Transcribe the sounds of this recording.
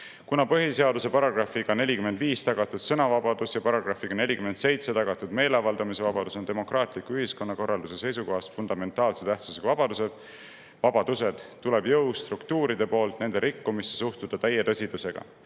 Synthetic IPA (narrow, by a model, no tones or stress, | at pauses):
kunɑpɤɦise̞ɑd̪use̞pɑɾɑɡ̥rɑfiɡɑne̞lʲikyme̞nd̪viːst̪ɑɡ̥ɑt̪ːˑud̪̥sɤnɑvɑbɑd̪̥usjɑpɑɾɑɡ̥rɑfːiɡ̥ɑne̞lʲikymense̞jt̪se̞t̪ɑɡ̥ɑt̪ːˑud̪me̞ːleɑvɑld̪ɑmise̞vɑbɑd̪̥usod̪emo̞krɑːt̪ˑlikːyɦisko̞nːɑko̞rːɑld̪use̞se̞jsuko̞ɦɑsfund̪̥ɑme̞nt̪ˑɑːlse̞t̪æht̪suseɡ̥ɑvɑb̥ɑd̪use̞d̪̥ | vɑb̥ɑd̪̥use̞d̪̥t̪ːule̞bjɤwst̪rukt̪uːɾid̪̥e̞po̞ːlt̪ˑne̞nd̪eɾʔikːumist̪ːesuht̪ud̪̥ɑt̪æjːet̪ɤsʲid̪̥use̞ɡ̥ɑ̰